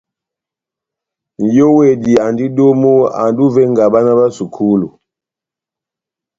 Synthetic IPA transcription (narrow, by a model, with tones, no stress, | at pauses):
n˨jɔ˦wɛ˨di˨a˨ndi˦ɗɔ˦mu˦a̰˨ndu˦vɛ˦ŋɡa˨ɓa˦na˦ba˦su˨kʰu˦lu˨